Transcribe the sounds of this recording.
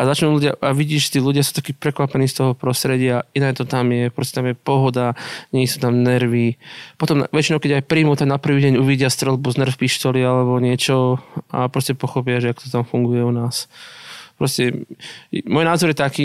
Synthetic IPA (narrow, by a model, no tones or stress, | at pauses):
ʔazat͡ʃnuːluɟɪaʔaʋiɟiːʒʒɛt̪iːluɟɪasuːt̪akiːpɾɛkʋapɛniːst̪ɔɦɔpɾɔst̪ɾɛɟɪainat̪ɔt̪amjɛpɾɔscɛt̪amjɛpɔɦɔd̪aɲɛisut̪amnɛɾʋipɔt̪ɔmʋɛt͡ʃinɔʊkɛɟajpɾiːmut̪amnapr̩ʋiːɟɛɲuʋiɟɪast̪ɾɛlbuznr̩fpiʃt̪ɔlialɛbɔɲɪɛt͡ʃɔa̰pɾɔscɛpɔxɔpɪaʒɛakt̪ɔt̪amfuŋɡujɛunaːs | pɾɔscɛ | mɔjnaːzɔɾjɛt̪akiː